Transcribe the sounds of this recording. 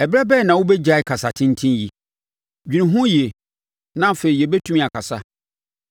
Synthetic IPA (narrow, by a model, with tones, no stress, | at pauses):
ɛ˨bɾɛ˦bɛː˦˨nã˨wʊ˦bɛ˦d͡ʑa˦ɪ˨kʰa˨sa˨tʰɪ̃˦n̩˦tʰĩ˦ji˨ | d͡ʑᶣi˨nĩ˨ɦʊ̃˦ji˨e˨ | nã˦fe˨ɾi˨jɛ˨bɛ˦tʰũ˦mĩ˦a˨kʰa˨sa̰˦